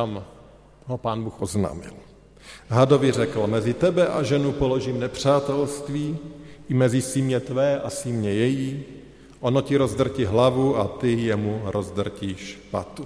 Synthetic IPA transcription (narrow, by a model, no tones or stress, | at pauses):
t̪am | ɦopaːnbuːxʔozna̰ːmɪ̰l | ɦado̞vɪr̝ɛkl̩mɛzɪt̪ɛbɛʔaʒɛnupolo̞ʒimnɛpr̝̥aːt̪ɛlst̪viːʔɪmɛzɪsimɲɛt̪vɛːʔasimɲɛjɛjiː | ʔono̞cɪɾo̞zd̪r̩cɪɦlavuat̪ɪjɛmuɾʔozd̪r̩ciːʃpa̰t̪u